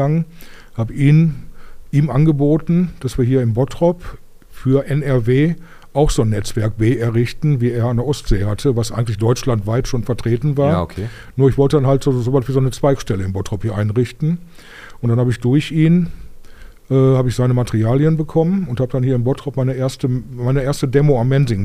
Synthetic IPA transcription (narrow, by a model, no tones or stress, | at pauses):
aŋhaːbəʔiːnʔiːmʔanɡəboːtn̩d̥asv̥iːɐɦiːɐɪmbɔtʁ̥ɔp | fyːɐʔɛnɛɐveː | ʔaʊxz̥oːnːɛt͡sv̥ɛɐk̚b̥eːɛɐʁɪçtn̩viːeːɐandeɐʔɔstz̥eːhatʰəvasʔa̰ɪɡŋ̩tlɪçd̥ɔʏt͡ʃlantv̥aɪtʃoːnfɛɐtʁ̥eːtn̩vaːɐkʰː | nuːɐɪçv̥ɔltədanhaltz̥ozoːvasv̥iːzoɪnət͡sv̥aɪkʃtɛləɪnbɔtʁ̥ɔphiːɐʔaɪnʁɪçtn̩ | ʔʊntd̥anhaːbəɪçd̥ʊɐçiːn | ʔɛːhaːbəɪçz̥aɪnəmatɛʁiaːljənbəkʰɔmənʊnthaːbədanhiːɐɪmbɔtʁ̥ɔpmaɪnəʔeːɐstəmaɪnəʔeːɐstədɛːmoamːɛnzɪŋ